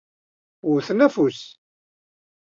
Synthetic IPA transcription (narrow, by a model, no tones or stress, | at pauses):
ʊɾθnæfus